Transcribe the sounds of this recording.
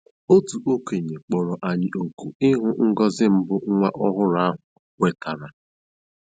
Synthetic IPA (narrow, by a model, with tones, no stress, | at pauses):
o˦tu˨ʔo˦ke˨ɲe˨k͡pɔ˨ɾɔ˨ʔa˨ɲɪ˨ʔo˨ku˨ɪ˦ɦʊ˦ŋ̩˦ɡɔ˦zɪ˦m̩˦bʊ˦ŋ̩˦ŋʷa˦ʔɔ˦ɦʊ˦ɾa˦ɦʊ˨ | wʷe˨ta˨ɾa˨